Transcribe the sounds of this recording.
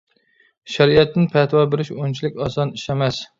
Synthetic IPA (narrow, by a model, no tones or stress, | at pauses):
ʃæɾiɛt̪ːɪnpʰɛt̪wɑbeɾɪʃont͡ʃʰilɪkʲɑsɑniʃɛmɛs